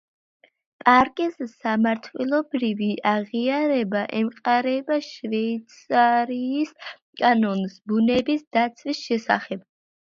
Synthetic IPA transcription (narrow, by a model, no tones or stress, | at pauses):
pʼaɾkʼɛssamaɾt̪ʰwɛlˠɔbɾiviʔaʁiaɾɛbaʔɛmqʼaɾɛbaʃvɛit̪sʰʼaɾiːs | kʼanɔnsbunɛbisd̪at̪sʰvisʃɛsa̰χɛb̥